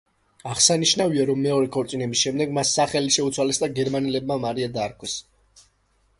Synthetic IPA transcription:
aʁsaniʃnaviaɾɔmːɛɔɾɛkʰɔɾt̪sʼinɛbisʃɛmd̪ɛɡmasːaχɛliʃɛut̪sʰwalɛsd̪aɡɛɾmanɛlɛb̚mamaɾiad̪aːɾkʰwɛs

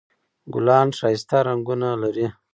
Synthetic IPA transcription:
ɡʊ̰lɑːnʂɑːist̪aɾaŋɡunalaɾi

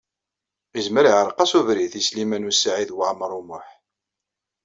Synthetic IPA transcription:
izməɾiʕəɾˤqːɑsuvɾiθislimænusaʕiðwəʕmɾˤumʊħ

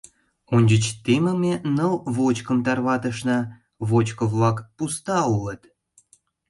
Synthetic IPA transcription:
unʲd͡ʑət͡ɕt̪eməmʲenɤlβot͡ɕkə̆mt̪ɑrβɑt̪əʃnə̆ | βot͡ɕkovlɑkpust̪ɑulət̪

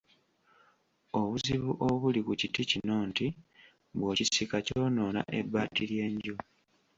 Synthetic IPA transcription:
o̞βuziβuʔoβulikuciticinoːnti | βwoːcisikaco̞ːno̞ːna̰ʔe̞bːaːtilje̞ːɲɟu

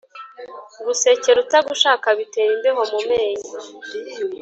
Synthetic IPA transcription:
ɡuse̞ceɾutaɡuʃaːkaβite̞ːɾinbemomumeːɲi

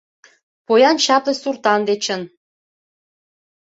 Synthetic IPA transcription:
pojɑnt͡ɕɑplesurt̪ɑnd̪et͡ɕə̆n

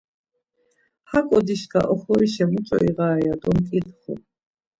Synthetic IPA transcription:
hakʼɔd̪iʃka̰ʔɔχɔɾiʃɛmut͡sʼɔ̰iʁaːjad̪ɔmkʼid̪χɔ̰

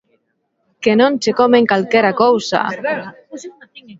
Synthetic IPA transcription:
kenõnsekomeŋkalkeɾakowsa̰

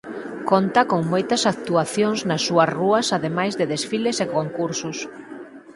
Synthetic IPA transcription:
kont̪ɐkoŋmojt̪ɐsak̚t̪uaθjoŋznɐsːuɐsruɐsaðemajzðeðesfilesekoŋkuɾsʊs

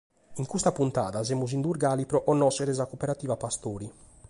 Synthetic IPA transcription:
iŋkust̪apunt̪a̰ːðazɛmːuzind̪uɾɡaːlipɾɔʔɔnːɔsɛɾɛzakopeɾat̪iːvapast̪oːɾi

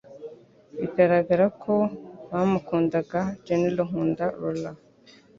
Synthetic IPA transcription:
iɡaɾaɡaɾakʰoβaːmukuːndaɡad͡ʒeniluɦuːndaɾula

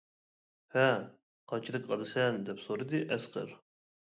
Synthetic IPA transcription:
hæ | qʰɑt͡ʃʰilˠɨkɑlɨsɛnd̪ɛpsoɾɨd̪iʔɛsqʰə̰ɾ

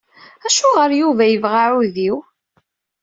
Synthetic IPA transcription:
æʃuʁəɾjuvæjəvʁaʕuðiw

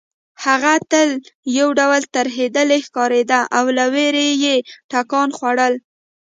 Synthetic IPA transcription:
haɣat̪əljawɖawəlt̪aɾɦed̪əlexkɑɾed̪aʔawlaweɾejeʈakɑnxwaɽəl

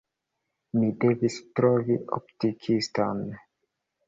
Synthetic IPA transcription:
midevistɾoviʔo̰p̚tikʰistan

